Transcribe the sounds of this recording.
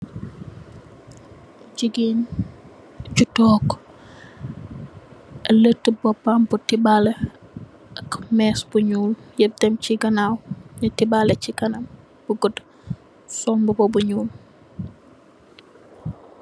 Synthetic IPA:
ɟiɡin | ɟutɔːk | ɐlətːəbɔpːambutibale | ɐkmɛsbuɲuːljeb̚tɛmt͡ʃiɡɐnawɲətibalɛciɡɐnɐm | b̥uɡəd | sɔmbəbobuɲuːl

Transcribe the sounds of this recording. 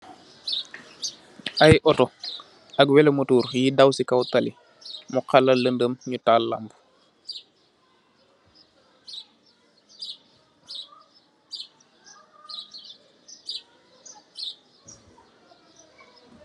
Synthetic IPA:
ʔajʔɔtɔ | aɡwɛlɛmətuːɾjidawsikawtali | muqalaləndəmɲutaːlːa̰mbu̥

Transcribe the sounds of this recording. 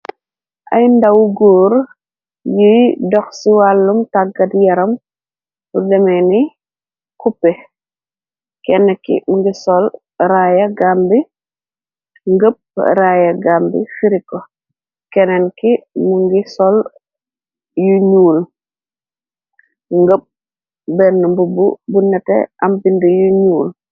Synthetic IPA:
ʔɐ̰jndɐwɡɔːɾ | jijdɔxsiwalːumtaɡɐdjɐɾɐm | budɛmɛni | kupːɛ | kɛnːɛkḭmuŋɡisɔl | ɾaːjɐɡambi | ŋɡəp̚ɾajɐɡaːmbḭfiɾikːɔ | kɛnɛnkimuŋɡisɔl | juɲuːl | ŋɡəp̚ | bɛnːəmbububunːɛtɛ̰ʔɐmbindəjuɲuːl

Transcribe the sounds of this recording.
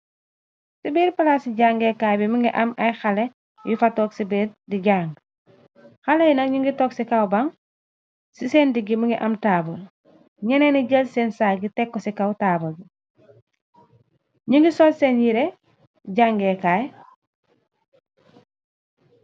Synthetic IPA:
sibiːɾpalasiɟaːŋɡekaːjbimuŋɡiʔamajxale | jufatoːksibeɾdiɟaːŋɡ | xalejinɐkɲiŋɡitoksikawbaŋ | sisendiɡimuŋɡiʔamtaːbɐl | ɲɛneniɟelsensaːɡitekːosikawtabolbi | ɲiŋɡisolsenjiɾe | ɟaŋɡekaj

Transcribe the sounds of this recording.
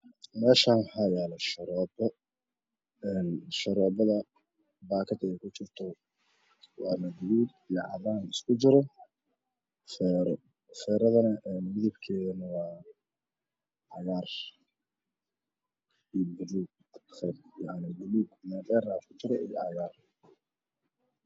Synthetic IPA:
mɛːʃaːnwħɑjɛːlɛʃɐɾɔːbɔ | ɛːnʃɐɾɔːbɐðɐ | baːkʰɐd̪ɛjkʰʊt͡ʃɪrt̪ʰɔ | wɑ̰ːmɐd̪ɪluːd̪ijɔʕɑ̰βaːnɪskʰʊd͡ʒɪɾɔ | fɛɾ̰ | fɛːɾɐðɐnɐʔɛnmɪðɪbkʰɛːðɐnɐwɑː | ʕɑjaːr | ijbʊɾuːɡ | fɛɾjaʕnɪɡʊluːɡmad̪ɛːraːkʰʊt͡ʃɪɾɛʔḭjɔ̰ʕɑjaːr

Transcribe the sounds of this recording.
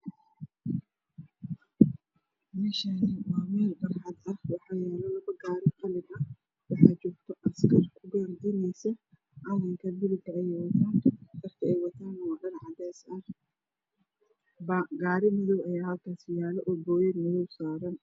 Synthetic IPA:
mɛːʃanɪwɑːmɛːlbɐrħɑd̪ɐhwɑħɑːjɛːlɔlɐβɐɡaːɾɪqɑlɪɡ̪ɐ | wɑħɑːt͡ʃɔːɾt̪ʰɔʔɐskʰɐrkʰʊɡɐːrd̪ɪnɛjsɐ | ʕɑlɐŋkʰɐb̪ɪlɪɡɐɛjwɐt̪ʰaːnmɐrkʰɐɛjwɐt̪ʰaːnwɑːɗɐnʕɑd̪ɛːsɐh | bɡaːɾɪmɪðɔwɐjaːhɐlkʰaːsɪjaːlɛʔɔːbɔːjɛd̪mɪðɔwsaːɾɐn

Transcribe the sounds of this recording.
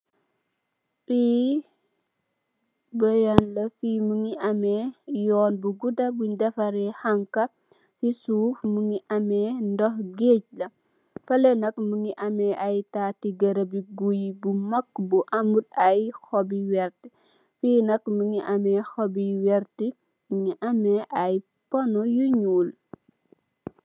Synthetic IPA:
biː | bɐjɐnlɐfiːmuŋiʔɐmɛjɔːnbuɡudɐbudɛfɐɾɛhɐŋkɐ | sisuːfmuŋiʔɐmɛːndɔhɡec̚lɐ | fɐlɛnɐkmuŋiʔɐmɛʔɐjtaːtiɡɐɾɐbiɡujbumɐkːbuʔɐmut̚ɐjxɔbiwɛɾti | fiːnɐkmuŋiʔɐmɛxɔbiwɛɾti | muŋiʔɐmɛʔɐj | pɔnɔjuɲuːl

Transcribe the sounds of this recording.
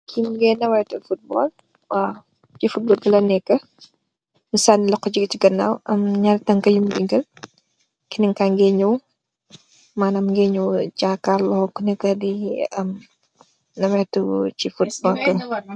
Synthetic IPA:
kʰimɡɛnɐwɛtufut̚bɔl | wa | t͡ʃifut̚bɔːlɡɐlɐnɛkːɐ | misanilɐkːɔd͡ʒiɡɐciɡɐnːa̰ːwɐmɲaɾtɐŋkɐjumdiɡɐl | kinɛŋkaŋɡɛɲuw | maːnɐmŋɡɛɲuɟakaɾlɔhɔkunɛkɐdiɐm | nɐwɛtut͡ʃifut̚bɔlkɐŋ

